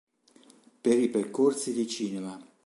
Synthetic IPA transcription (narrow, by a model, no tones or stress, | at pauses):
peɾiperkorsid̪it͡ʃiːnema